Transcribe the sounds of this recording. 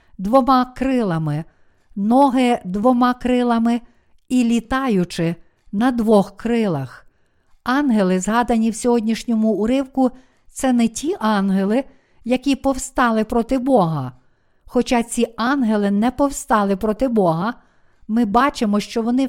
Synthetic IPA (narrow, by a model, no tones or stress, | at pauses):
d̪ʋɔmɑkɾɪlˠɐmɪ | nɔɦɪd̪ʋɔmɑkɾɪlˠɐmɪ | ilʲit̪ɑjʊt͡ʃɪ | nɐd̪ʋɔxkɾɪlˠɐx | ɑnɦelˠɪzɦɑd̪ɐnʲiwsʲɔɦɔdʲnʲiʃnʲɔmʊʊɾɪwkʊ | t̪sɛnɛtʲiʔɑnɦelˠɪ | jɐkʲipɔwst̪ɑlˠɪpɾɔt̪ɪbɔɦɐ | xɔt͡ʃɑt͡sʲiɑnɦelˠɪnɛpɔwst̪ɑlˠɪpɾɔt̪ɪbɔɦɐ | mɪbɑt͡ʃɪmɔʃt͡ʃɔʋɔnɪ